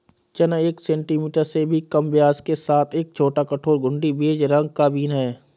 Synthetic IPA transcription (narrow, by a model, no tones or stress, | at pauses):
t͡ʃənəeːksɛ̃ːɳʈiːmiːʈəɾsebʱikəmbjaːzkesaːt̪ʰeːk̚t͡ʃʰoːʈakəʈʰoːɾɡʱʊ̃ɳɖibeːd͡ʒɾə̃ŋɡ̚kaːbiːnɦɛː